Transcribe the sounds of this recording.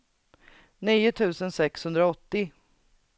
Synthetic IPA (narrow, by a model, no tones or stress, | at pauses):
niːʊt̪ʰʉ̟ːsənsɛkshɵnd̪ɾaɔt̪ːɪ